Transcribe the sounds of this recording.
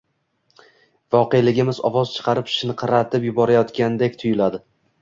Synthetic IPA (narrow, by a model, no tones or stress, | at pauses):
vɒqejlɪɡʲɪmɪzɒ̰vɒz̥t͡ʃʰɨ̥qʰɑɾɪpɪ̥ʃɪnɪqʰɑɾat̪ʰɪpjʊbɒɾajɒt̪kʲand̪e̞kʲt̪ʰʊjɪlad̪ɪ